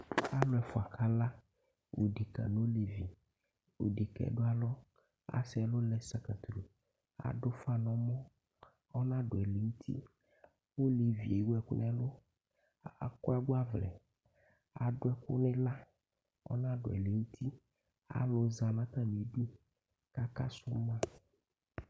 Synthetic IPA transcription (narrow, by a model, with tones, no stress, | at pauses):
a˦lʊ˨˦ɛ˨fɔ˨a˨kʰa˦la˦ | wo˨ɖi˨ka̰˨no˦le˨vi˨ | wo̰˨ɖe˨kɛ̰˨˦ɖʊ˦a˦lɔ˦ | a̰˨sɛ˨lo˦lɛ˦sa˨ka˨t̪ɾu˨ | a̰˨ɖʊ˦fa˦nɔ̃˨mɔ̃˦ | ɔ˦nã˦ɖʊ˨ɛ˨le˨ŋu˦t̪ʰḭ˦ | wo˦le˨vḭ˨e˨˦wɛ˨kʊ̰˦nɛ˦lo˦ | a˨kʊ˦a˦ɡa˦vlɛ̰˨ | a̰˨ɖʊ˦ɛ˦kʊ̰˦nẽ˦la˦ | ɔ̰˦nã˦ɖʊ̰˨ɛ̰˨le˨wu˦t̪ʰi˦ | a̰˨lo˨za˨lã˦t̪a˦me˨˦ɖu˦ | ka˦ka˦sʊ˦mã˦